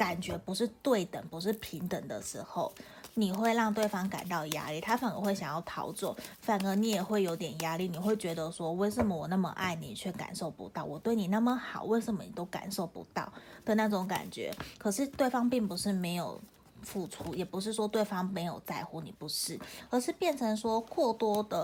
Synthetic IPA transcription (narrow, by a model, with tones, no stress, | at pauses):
ka˨˩nt͡ɕɥɛ˧˥pu˧˥ʂɻ̩˥˧t̪we˥˩ɪt̪ə˨˩npu˧˥ʂ̬ɻ̩˥˩pʰi˧˥ŋt̪ə˨˩ŋd̪ə̰˦ʂɻ̩˧˥xo˥˧ʊ | ni˨˩xwe˥˧ɪɻɑ˥˧ŋt̪we˥˩ɪfɑ˥ŋka̰˨˩nt̪ɑ˥˩ʊja̰˥li˥˩t̪ʰa˥fa˨˩nə̰˧˥xwe˥˩ɪɕjɑ˨˩jɑ˥˩ʊt̪ʰɑ̰˧˥ʊt͡swɔ̰˥˩fa˨˩nɤ˧˥ni˧˥jɛ˨˩xwe˥˩ɪjo˧ʊt̪̬jɛ˨˩nja˥li˥˩ni˨˩xwe˥˩ɪt͡ɕɥɛ˧˥d̪ə˧ʂwɔ˥˧we˥˩ɪʂə˨˩mə˦wɔ˨˩na˥˩mə̰˧ʔa̰˥˩ɪni˨˩˨t͡ɕʰɥɛ˥˩ka̰˨˩nʂo˥˩ʊpṵ˧˥t̪ɑ˥˩ʊwɔ˨˩t̪we˥˩ɪni˨˩na˥˩mə˨xɑ̰˨˩˦ʊwe˥˩ɪʂə˨˩mə˦nḭ˨˩t̪o˥ʊka̰˨˩nʂo˥˩ʊpṵ˧˥t̪ɑ˥˩ʊd̪ə˨˦na˥˩ʈ͡ʂʊ˨˧˥ŋka̰˨˩nt͡ɕɥɛ̰˧˥kʰɤ˨˩ʂɻ̩˥˧t̪we˥˩ɪfɑ˥ŋpi˥˩ŋpu˧˥ʂɻ̩˥˩me˧˥ɪjo˨˩ʊ | fu˥˩ʈ͡ʂʰu˥jɛ˨˩pu˧˥ʂ̬ɻ̩˥˩ʂwɔ˥t̪we˥˩ɪfɑ˥ŋme˧˥ɪjo˨˩ʊt͡sa˥˧ɪxu˥nḭ˨˩pu˧˥ʂɻ̩˥˩ə˞˧˥ʂɻ̩˥˧pjɛ˥˩nʈ͡ʂʰɤ˧˥ŋʂwɔ˥kʰwɔ˥˧t̪wɔ˥d̪ə˨